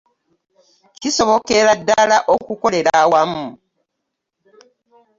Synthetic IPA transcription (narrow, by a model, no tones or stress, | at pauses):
ciso̞βo̞ke̞ɾadːalaʔokuko̞le̞ɾawamu